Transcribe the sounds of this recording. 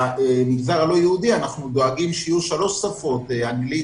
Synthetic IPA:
emiɡzaʁalo̞jehud̪ianaχnud̪o̞aɡimʃijuʃalo̞ʃsafo̞t̪eaŋɡli

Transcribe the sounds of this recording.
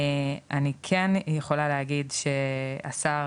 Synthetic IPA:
anikʰenjeχo̞laleɦaɡidʃea̰sa

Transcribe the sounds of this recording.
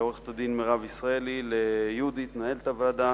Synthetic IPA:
oʁeχt̪ad̪inmeʁavisʁaelilejud̪it̪nae̞lt̪avlad̪a

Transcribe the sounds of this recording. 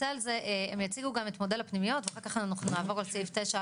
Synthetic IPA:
ealzeʔeemjat͡siɡuɡame̞tmo̞delapnimijo̞tveaχalkaχannuχnunaːvo̞ʁalsifteʃa

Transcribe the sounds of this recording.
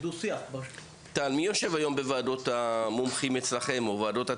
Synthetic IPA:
d̪usiaχb | talmijo̞ʃe̞vajo̞mbevaːdo̞t̪amomχimet͡slaχe̞movaːdo̞tha

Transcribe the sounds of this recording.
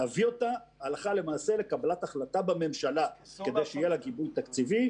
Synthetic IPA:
aviot̪aː | laχale̞maːse̞le̞kabalat̪aχlat̪abame̞mʃalake̞d̪ejʃeijelaɡibujt̪akt͡sivi

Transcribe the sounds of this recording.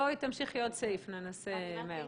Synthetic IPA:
ojt̪amʃiχjot̪sejfnenoseme

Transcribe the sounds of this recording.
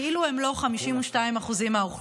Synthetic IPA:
iluhe̞mlo̞χamiʃimuʃtaimaχuzimauχ

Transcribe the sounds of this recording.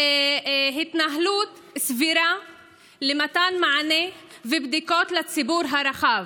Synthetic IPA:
ɦit̪naɦlut̪ | sviɾa | lemat̪anmaʕanevebd̪iko̞t̪lat͡sibuɾɦaɾaχav

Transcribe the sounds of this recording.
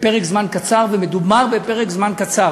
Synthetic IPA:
pe̞ʁekzmankat͡saʁvemed̪ubmaʁvepeʁekzmankat͡saʁ

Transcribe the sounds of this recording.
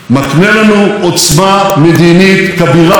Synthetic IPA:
maknelanuot͡smamed̪init̪kabiʁa

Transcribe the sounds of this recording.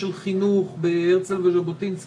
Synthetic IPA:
elχinuχbeeʁt͡selveʃebot̪int͡s

